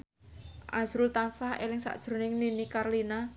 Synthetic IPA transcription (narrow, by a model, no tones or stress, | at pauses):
ʔa̰sɾʊlt̪ansahḛlɪŋsa̰ʔd̥ʒ̥ɾo̤nɪŋninikarlina